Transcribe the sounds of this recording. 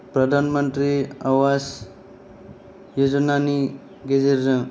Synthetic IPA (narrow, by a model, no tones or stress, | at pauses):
pɾɐd̪ʱanmənt̪ɾiaʋas | jod͡ʒnani | ɡed͡ʒiɾɾə̃ŋ